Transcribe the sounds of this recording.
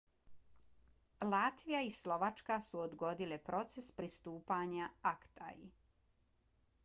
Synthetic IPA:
laːt̪ʋijaislo̞ʋat͡ʃkasuod̪ɡo̞d̪ilepɾo̞t̪sespɾist̪uːpaɲaakt̪ʰa̰jḭ

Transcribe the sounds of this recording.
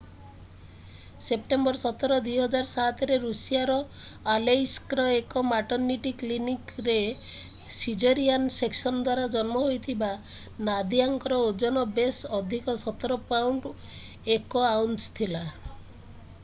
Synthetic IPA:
sep̚ʈembɔɾsɔt̪ɔɾɔd̪ujɦɔd͡ʒaɾsat̪ɔɾeɾusijaɾɔ | alejskɾɔekɔmaʈɔɾniʈiklinikɾe | sid͡ʒɔɾianseksɔnɔd̪waɾad͡ʒɔnmɔɦojt̪ʰiba | nad̪iaŋkɔɾɔod͡ʒɔnɔbesɔd̪ʱikɔsɔt̪ɔɾɔpawɳʈ | ekɔawnst̪ʰila

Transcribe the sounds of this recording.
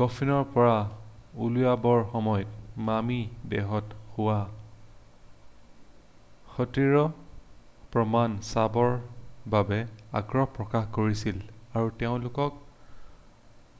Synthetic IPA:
ɡ̥ɔfʰinɔɹpɔɹaulʊjabɔɹxɔmɔjɔt̚mamidɛ̰ɦɔthʊwa | xɔtiɹɔ | pɹɔmansabɔɹbabɛa̰ɡɹɔhpɹɔkaxkoɹisilaɹuteʊ̃lʊkɔk̚

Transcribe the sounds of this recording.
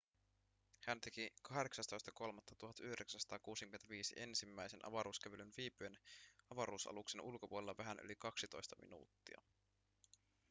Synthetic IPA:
hænt̪e̞kikɑɦɾe̞ksɑst̪o̞jst̪ɑko̞lmɑt̪ːɑt̪uɦɑt̪yhdeksænsɑ̥t̪ɑːkuːsik̟yment̪æʋiːsḭʔe̞nsimːæjsenʔɑ̰ʋɑɾuːsk̟æʋylynʋiːpyenɑʋɑɾuːsɑ̰lukse̞nulko̞puolelɑʋæɦænʔy̰likɑksit̪o̞̰jst̪ɑmḭnṵːt̪ːiɑ̰

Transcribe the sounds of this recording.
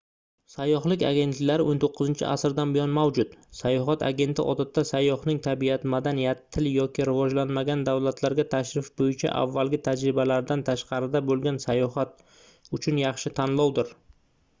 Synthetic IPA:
sajːɒɦlˠɪkʲa̰ɡʲe̞nt̪lɪkʲlaɾɪʔont̪ʰoqʰːɨʊzɪnt͡ʃʰɪ̰ʔa̰sɾd̪anbɪjɒnmawd͡ʒʊt̪sajɒɦat̪ʰa̰ɡʲe̞nt̪ʰɪʔɒ̰d̪at̪ːasajːɒhnɪŋt̪ʰabiat̪mad̪anijat̪ʰːɪljɒkʲʰɪɾɪvɒd͡ʒlanmaɡʲand̪awlat̪ʰlaɾɡʲat̪ʰaʃɾɪfbojɪt͡ʃʰa̰ʔa̰vːalɡʲɪt̪ʰad͡ʒɾɪbalaɾd̪ant̪ʰaʃqʰɑɾɪd̪abolˠɡʲansajɒɦat̪̚ | ʊt͡ʃʰʊnjɑχʃɪt̪ʰanlˠɒwd̪ɪɾ

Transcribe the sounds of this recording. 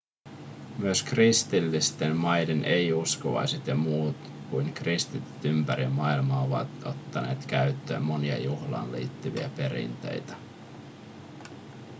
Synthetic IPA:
myøskrist̪ilːist̪emmɑjde̞nʔe̞jusko̞ʋɑ̰jset̪jɑmuːt̪ | kujŋkrist̪it̪yt̪ympæɾimɑilmɑo̞ʋɑ̰t̪o̞t̪ːɑne̞ːt̪kæɥt̪ːø̰ːmːo̞niɑ̰juhlɑ̰ːnlḭːt̪ːyʋḭæ̰pe̞ɾḭnt̪e̞̰jt̪æ̥

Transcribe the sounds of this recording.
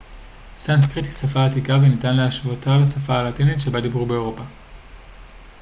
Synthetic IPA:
sanskʁitisafaːtikavenitanleaʃvotalasafaːlatinitʃe̞badibʁube̞eʁo̞pa

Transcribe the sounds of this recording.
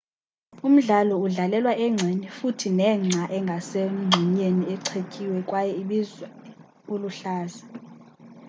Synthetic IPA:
um̩ɮalɔuɮalɛlwaʔɛŋ͡ǀʱenifutʰinɛŋ͡ǀʱaʔɛŋɡʱasem̩ŋ͡ǀʱiɲeniɛǀʰekʼiwɛkʼwajɛiɓizwɛ | uluɬaːza

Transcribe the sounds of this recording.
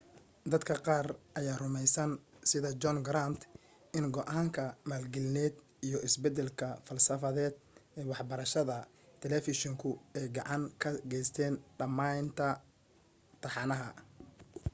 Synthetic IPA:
d̪ɐd̪kʰɐqɑːrʔɐjaːrʊmɛjsɐnsɪðɐd͡ʒɔnɡɾant̪ʰ | ɪnɡɔʔaːŋkʰɐmaːlɡɪlnɛːd̪ | ijɞɪsbɛd̪ɛlkʰɐfɐlsɐfɐðɛːd̪̚ɛːwɑħbɐɾɐʃɐðɐ | t̪ʰɛlɛfɪʃɔŋkʰʊɛjɡɑʕɑŋkʰɐɡɛjst̪ʰɛːnɖɐmaːnt̪ʰɐ | t̪ʰɑħɑnɐɦɐ

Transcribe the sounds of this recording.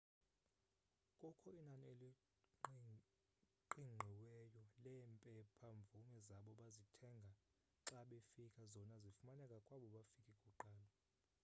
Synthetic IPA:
kʼɔkʰɔinanieli | ǃiŋ͡ǃʱɛwɛjɔlɛmpʼɛpʰaɱb̪vumɛzaɓɔɓazitʰɛŋɡʱa | ǁaɓefikʰʼazɔnazifumanɛkʼakʼwaɓɔɓafikʰʼikʼuǃaːlɔ

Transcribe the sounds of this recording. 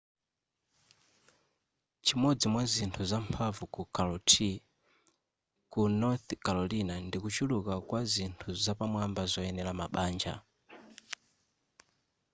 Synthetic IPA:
t͡ʃimɔd͡zimwazintʰuzampʰavukukalɔtʰi | kunɔθkalɔlinandikut͡ʃulukakwazintʰuzapamwambazɔɛnɛlamaɓaːnd͡ʒa̰

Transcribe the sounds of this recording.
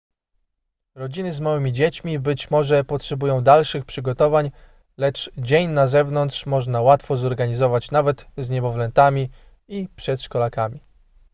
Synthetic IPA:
ɾɔd͡ʑinɘzmawɘmʲid͡ʑet͡ɕmʲibɘt͡ɕmɔʐɛpɔtʂɛbujɔ̃w̃d̪alʂɘxpʂɘɡɔt̪ɔvaɲ | lɛt͡ʂd͡ʑeɲnazɛvnɔnt̪ʂmɔʐnawat̪fɔzɔɾɡaɲizɔvat͡ɕnavɛt̪zɲɛbɔvlɛnt̪amʲi | ipʂɛt̪ʂkɔlakamʲi

